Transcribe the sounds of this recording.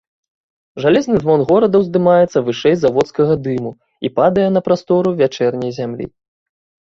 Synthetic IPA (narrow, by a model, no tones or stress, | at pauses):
ʐalʲɛznɨzvɔnɣɔɾɐd̪ɐwzd̪ɨmajɛt̪sɐvɨʂɛjzavɔt̪skɐɣɐd̪ɨmu | ḭpad̪ɐjɛnɐpɾast̪ɔɾuvʲat͡ʂɛrnʲɛjzʲamlʲḭ